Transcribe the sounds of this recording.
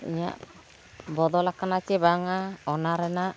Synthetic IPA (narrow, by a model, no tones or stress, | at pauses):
ḭɲa̰ | bɔd̪ɔlakanat͡ʃebaŋaɔnaɾɛna